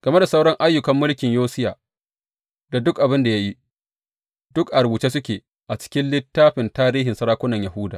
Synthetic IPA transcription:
ɡ̥ɐ˨me˦da˨sa˦wɽɔ˦ŋʔa˦jːʊ˨kɐ˦mːʊ˦lkʲɪ˨ɲjoː˦sɪ˦jaː˨ | da˨dʊ˦kʔa˨bɪ˦nda˨ja˦ji˦ | d̥ʊ˦kʔa˨ɾbuː˨t͡ʃeː˦sʊ˦kʲeː˨ | ʔa˨t͡ʃɪ̥˦kʲɪ˦nlɪ˦tːaː˦ɸɪ˨ntaː˦ɾiː˦ɦɪ˨nsɐ˦ɾaː˦kʷʊ˦nɐ˨ɲja˨hʊ˦da̰ː˨

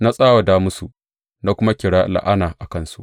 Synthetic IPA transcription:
na˦sʼaː˦wa˨daː˦mʊ˦su˨ʔ | na˦kʷʊ˦ma˦kʲɪ˨ɽaː˦la̰˨ʔa˦naː˨ʔa˨kɐ˦˨nsṵ˦ʔ

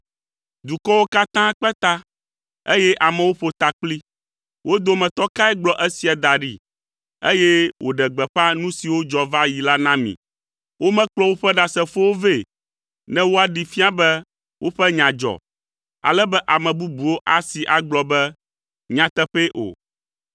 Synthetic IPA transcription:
d̪u˨kɔ˦wo˦ka˦t̪ã˦k͡pɛ˦t̪a˦ | e˦jɛ˦ʔa˨mɛ̃˨wo˦ɸo˨t̪a˨k͡pli˦ | wo˦d̪o˦mɛ̃˨t̪ɔ˦ka˦ɛ˦ɡ͡blɔ˨ʔɛ˦si˨a˨d̪a˨ɖi˨ | e˦jɛ˦wʔo̰˨ɖɛ˨ɡ͡bɛ˨ɸa˦nũ˦si˨wo˦d͡ʒɔ˨va˦ji˨la˦nã˦mḭ̃˨ | wo˦mɛ̃˦k͡plɔ˦wo˦ɸɛ˦ɖa˨sɛ˦fo˦wo˦ve˦˨ | nɛ̃˦wo˦a˨ɖi˨fi˦a˦bɛ˦ | wʔo˦ɸɛ˦ɲã˨d͡ʒɔ̰˨ | a̰˨lɛ˦bɛ˦ʔa˨mɛ̃˨bu˦bu˨wo˦ʔa˨si˨ʔa˨ɡ͡blɔ˨bɛ˦ | ɲã˨t̪ɛ˦ɸe˦ʔo̰˨

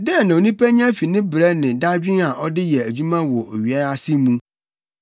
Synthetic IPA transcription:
dɛ˦˨nã˨o˨nĩ˦pæ˦ɲ˦ã˦fi˨nɪ̃˦bɾɛ˦nɪ̃˨da˦d͡ʑᶣɪ̃˦a˨ʔɔ˦dɪ˦jɛ˨æ˨d͡ʑᶣu˦mã˦wɔ˨ʔo˨ɥi˨a˦a˦sɪ˦mũ˦

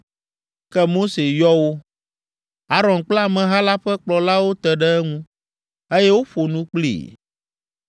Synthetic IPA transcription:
kɛ˦mo˦se˨jɔ˦wo˦ | a˦ɾɔ̃˨nk͡pla˦˨mɛ̃˨ɦa˦la˦ɸɛ˦k͡plɔ˨la˦wo˦t̪ɛ˨ɖɛ˦ɛ˦ŋũ˦ | e˦jɛ˦wo˦ɸo˨nũ˦k͡plḭ˨

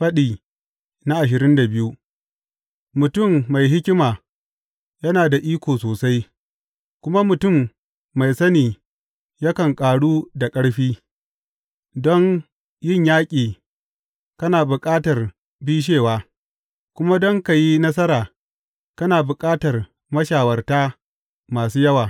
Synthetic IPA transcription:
ɸɐ˦ɗiː˨ | na˦ʔa˨ʃ̬ɪ˨ɾɪ˦nda˨bɪ˦ju˦ | mʊ˨tʊ˦˨mːa˨jɦɪ˦kʲɪ˦maː˨ | jɐ˦naː˨da˨ʔiː˦kʷoː˨soː˨sa˦j | kʷʊ˦ma˦mʊ˨tʊ˦˨mː | a˨jsɐ˦niː˨ | jɐ˦kɐ˨ŋkʼaː˨ɽuː˦da˨kʼɐ˦ɽɸiː˦ | dɔ˦ŋ | jɪ˦˨ɲjaː˦kʲʼiː˨ | kɐ˦naː˨bʊ˨kʼaː˦tɐ˨r | biː˦ʃ̬eː˦˨waː˨ | kʷʊ˦ma˦dɔ˦ŋka˨ji˦nɐ˦s̬ɐ˦ɾaː˨ | kɐ˦naː˨bʊ˨kʼaː˦tɐ˨r | mɐ˦ʃaː˨wɐ˨rtaː˦ | maː˨suː˦jɐ˦waː˨

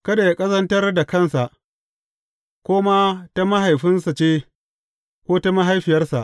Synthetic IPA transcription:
kɐ˦da˨ja˦kʼɐ˦zɐ˦ntɐ˦rda˨kɐ˦nsa˨ʔ | kʷoː˦ma˦ta˦ma˦ɦa˨jɸɪ˦nsa˨t͡ʃeː˦ | kʷoː˦ta˦ma˦ɦa˦jɸɪ˨jɐ˦rsa˨ʔ

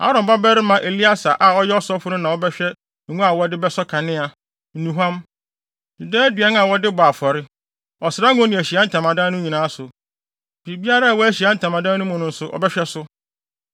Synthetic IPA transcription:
a̰˦ɾɔ̃˨m˨ba˦bæ˦ɾɪ˦mã˨ʔe˨li˦a˦sa˨ʔa˨ɔ˦jɛ˦ɔ˦sɔ˦fʊ˦nʊ̃˦nã˨wɔ˦bɛ˦ɕᶣɛ˦˨ | ŋũ˦a˨wɔ˦dɪ˦bɛ˦sɔ˦kʰã˨nɪ̃˦a˨ | n̩˨nũ˨ɦã˦m | di˨dɛ˦dɥɛ˦n˦a˨wɔ˦dɪ˦baː˨fɔ˨ɾɪ˦ | ɔ˨sɪɾa˦ŋũ˦nĩ˨æ˨ɕi˨a˦n̩˦˨tʰã˨mã˨dã˦nʊ̃˦ɲĩ˨nãː˨˦sʊ˨ | bi˨bi˦a˦ɾa˦a˨wɔ˦æ˦ɕi˨a˦n̩˦tʰã˨mã˨dã˦nʊ̃˦mʊ̃˨nʊ̃˨n̩˦sʊ˨ʔɔ̰˨bɛ˦ɕᶣɛ˦sʊ˦

